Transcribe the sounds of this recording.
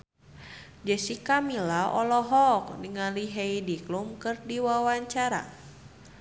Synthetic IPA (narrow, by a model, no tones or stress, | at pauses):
d͡ʒəsikamilaɔlɔɦɔk̚niŋaliɦeidiklumkɨrdiwawaɲt͡ʃaɾa̰